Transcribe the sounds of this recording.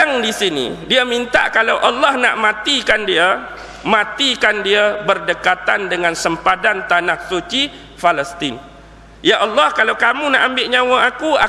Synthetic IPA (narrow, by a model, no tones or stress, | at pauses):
aŋdisinḭ̃diamint̪a̰ʔkalawʔalːɔhna̰ʔmãt̪ikandia | mãt̪ikandiabərdəkat̪andəŋãnsəmpadant̪anahsut͡ʃi | faləst̪ɪn | jaʔalːɔhkalawkamũnaʔambɪʔɲãw̃ãakua̰